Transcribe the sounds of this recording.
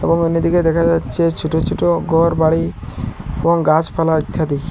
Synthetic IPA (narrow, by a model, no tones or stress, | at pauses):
ḛboŋunːid̪iked̪ɛkʰad͡ʑatːʃʰet͡ɕʰuʈot͡ʃʰuʈoɡɔɾbaɽi | eboŋɡat͡ɕpʰalait̪ʰːad̪i